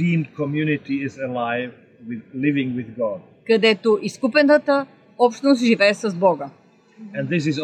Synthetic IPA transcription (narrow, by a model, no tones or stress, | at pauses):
ĩnkʰɔmjunɪtiɪzəlaɪv | wɪlɪvɪ̃ŋwɪðɡɔd̚ | kɐd̪ɛt̪oʔiskupɛnt̪ət̪ə | ɔpʃt̪nost̪ʒivɛːsəzbɔɡə | ɛ̃nðɪs̬ɨz